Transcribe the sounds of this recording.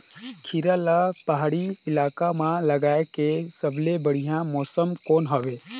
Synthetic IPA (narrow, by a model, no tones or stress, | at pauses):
kʰiɾalapəɦaɽiɪlaːkamãləɡaːekesəblebəɽ̤ijãmɔːsəmkoːnɦɔʋeː